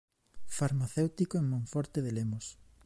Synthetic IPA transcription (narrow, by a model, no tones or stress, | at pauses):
faɾmaθewt̪ikoeŋmõɱfɔɾt̪eðelemos